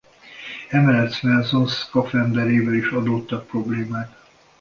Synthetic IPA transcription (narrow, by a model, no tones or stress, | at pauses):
ɛmɛlɛt̪smɛlzonskɒfɛmd̪ɛɾeːvɛliʃɒd̪oːt̪ːɒk̚pro̞bleːmaːk̪